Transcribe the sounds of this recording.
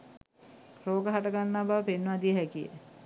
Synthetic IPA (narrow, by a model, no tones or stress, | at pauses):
roːɡəɦaʈəɡanːabaːpenːʋad̪ijəɦækijə̰